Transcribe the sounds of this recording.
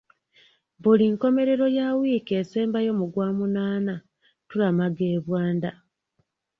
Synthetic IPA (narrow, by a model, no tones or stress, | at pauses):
buliŋko̞me̞ɾe̞ɾo̞jawiːkeseːmbajo̞muɡwaːmunaːna | tulamaɡe̞ːβwaːnda